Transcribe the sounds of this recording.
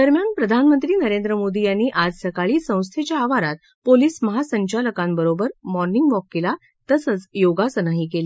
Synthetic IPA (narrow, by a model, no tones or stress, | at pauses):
d̪əɾmjanpɾəd̪ʱanmənt̪ɾiːnəɾend̪ɾəmod̪ijanːiːʔad͡zsəkaɭiːsə̃w̃st̪ʰet͡ɕjaːʋaɾat̪̚ | poliːsməɦasəɲt͡ɕaləkãmbəɾobəɾmɔɾniŋɡʋɔkːila | t̪əsət͡sjoɡasənaɦikeli